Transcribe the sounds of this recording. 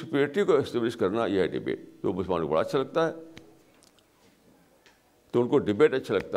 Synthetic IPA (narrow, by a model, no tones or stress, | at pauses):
sɪpɾeːʈikoɪsʈeːblɪʃkɐɾnajeɦɛɖɪ̰bḛːʈt̪obʊslmaːnko̰bɐɽa̰ɐtːʃʰalɐɡ̚t̪aɦɛː | t̪oʊnkoɖɪbeːʈɐtːʃʰalɐɡ̚t̪a